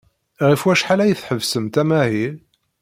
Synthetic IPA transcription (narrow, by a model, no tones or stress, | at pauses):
ʁifwæʃħalæjəθħəvsəmt̪æmæhi